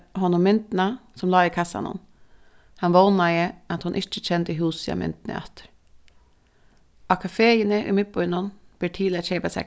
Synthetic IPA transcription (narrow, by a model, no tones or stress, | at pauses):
hɔnʊmɪnt̪n̩ɑsɔmlɑːɪkʰɑsɑ̰nɔ̰n | hɑnʋɔnɑɪəɑt̪hʊnʔɪt͡ʃːəc͡çɛnd̪əɪɦuːsɑ̰mʔɪ̰nt̪nə̰ɑ̰t̪ə̥ɾ | ʔɑkʰɑfeːənəʔɪ̰mɪt̪̚bɔʏnʊnb̥iːʈʰiːlət͡ʃeɪpɑsɛ̰